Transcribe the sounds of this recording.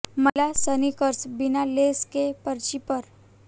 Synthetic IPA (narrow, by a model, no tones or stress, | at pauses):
məlasənikəɾsbinaleskepəɾt͡ɕipəɾ